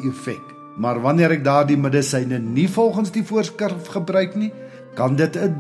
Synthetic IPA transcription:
ifɛk | mɐrvɐniəɾɛk̚dɑːrdimədəsɛjnənifɔlˠχənsdifuərskərfχəbrœɥkni | kɐndətəd

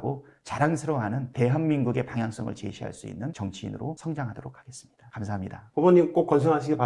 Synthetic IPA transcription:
ɡot͡ɕaɾaŋsʰɯɾʌɦanɯnte̞ɦanminɡuɡe̞paŋjaŋs͈ʌŋɯ̰ɭt͡ɕe̞̰ɕʰiɦa̰ɭs͈uḭnːɯnt͡ɕʌŋt͡ɕʰiḭnɯɾosʰʌŋd͡ʑaŋɦadoɾok̚ʰaɡe̞s͈ɯ̥mɲid̥akamsʰaɦamɲidapoboɲːimk͈okʌnsʰʌŋɦaɕ̬ʰiɡepa

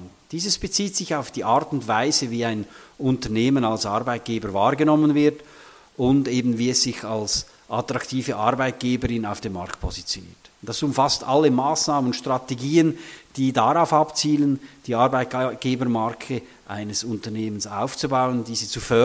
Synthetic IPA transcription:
d̥iːzəsb̥et͡siːtsɪçaʊfd̥iːʔaɾtʊntvaɪzəviːaɪnʊntəneːmənalsʔaɾbaɪt̚ɡ̥eːbəɾvaːɾɡənɔmənvɪɾt | ʔʊndeːbn̩viːɛsz̥ɪçals | ʔatʁ̥aktʰiːvəʔaɾbaɪt̚ɡ̥eːbəɾɪnaʊfd̥eːma̰ʁktpʰɔzit͡sjonḭːɐtd̥asʊmfastʔalːəmaːsnaːmənʊʃtʁ̥ateɡiːənd̥iːdaʁaʊfapt͡siːlənd̥iːaɾbaɪt̚tɡ̥eːbəɾmaɾkʰə | ʔa̰ɪnəsʊntəneːmənsa̰ʊft͡subaʊəndiːziːt͡sufœ

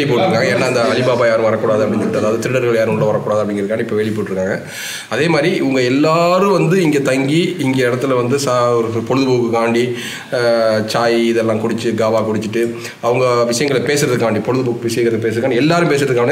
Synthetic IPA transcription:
ɭɪpoːʈːɪɾɯkːaːŋɡɐɛnːaːɐnd̪ɐɐlɪpaːbaːjaːɾɯ̃ʋɐɾɐkːuːɽaːðɯɐpːɐɽɪɲd͡ʒɪɾɯʈːɐðaːʋɐðɯt̪ɪɾɪɽɐɾɣɐɭjaːɾɯ̃ʊɭːɐʋɐɾɐkːuɽaːðɯɐpːɽɪŋɡɪɾɐɯkːaːŋɡɐɪpːɐʋeːɭɪpːoːʈːɪɾɯkːaːŋɡɐ | ɐðeːmaːd̪ɾiʊŋɡɐɛlːaːɾɯ̃ʋɐnd̪ɯɪŋɡeːt̪ɐŋɡiɪŋɡeɪɽɐt̪ːɪlʋɐnd̪ɯsaɔɾɯpɔɻɯðɯpuːkɯkaːɳɖi | t͡ʃaːjɪðɛlːãːkʊɽɪt͡ʃːɯɡaːʋaːkʊɽɪt͡ʃːɯʈːɯ | ɐʋɐŋɡɐʋɪʂɐjɐŋɡɐɭpeːsɪɾɐðɯkːaːɳɖipɔɻɯðɯbuːkɯʋɪʂɐjɐŋɡɐɭp̬eːs̬ɐðɯkːaːɳɖiɛlːaːɾɯ̃mpeːs̬ɪɾɐðɯkːaːɐɳ

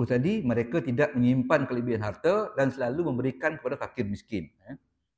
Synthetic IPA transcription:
ut̪adiməɾekat̪idaʔ̚məŋimpankəlibianɦart̪ədansəlaluməmbəɾikankəpadakakɪrmiskɪnja

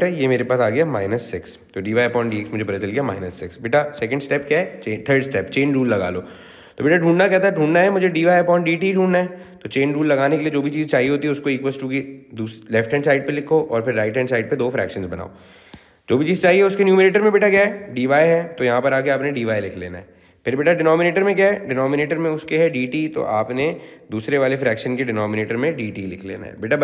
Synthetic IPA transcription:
ɛjemeːɾepaːsaːɡɐjama̰ːɪnəsːɪks | t̪oɖiːʋaːjpɔ̃ːɳʈɖiːeksmʊd͡ʒʱepɐɾat͡ʃɐlkjama̰ːɪnəsːɪksbɪːʈasɛkə̃ɳɖsʈɛːpkjaːɦɛt͡ʃeːt̪ʰəːɾɖsʈɛːpt͡ʃeːnɾuːlːɐɡa̰ːlo̰ː | t̪obɪːʈaʈũːɳɖnakɛɦt̪aɦɛɖʱũːɳnaɦɛmʊd͡ʒʱeɖiːʋaːjpɔ̃ːɳʈɖiːʈiɖʱũːɳnaɦɛt̪ot͡ʃeːnɾuːlːɐɡaːnekelied͡ʒoːbʱit͡ʃiːzt͡ʃaːɦieɦoːt̪iɦɛʊskoeːkʋesʈuːkid̪uːlɛfʈɛ̃ɳsaːɪɖ̚pelɪkʰːoʔɔːɾpʰɪɾːaːɪʈɛ̃ɳsaːɪɖ̚ped̪oːfɾɛ̰ːkʃə̃nzbɐna̰ːo̰ | d͡ʒoːbʱit͡ʃiːzt͡ʃaːɦiɛʊskenjuːmɪɾeːʈəɾmẽbɪːʈakjaɖiːʋaːjɦɛt̪ojɐɦãpɐɾaːkeaːpnẽɖiːʋaːjlɪkʰlḛːna̰ɦɛ | pʰɪɾbɪːʈaɖɪnɔːmɪneːʈəɾmẽk̬jaɛɖɪnɔːmɪneːʈəɾmẽʊskeɦɛɖiːʈiːt̪o̰ʔaːpned̪uːsɾeʋaːlefɾɛːkʃə̃nkeɖɪnɔːmɪneːʈəɾmẽɖiːʈiːlɪkʰlḛːna̰ɦɛ̰bɪʈa

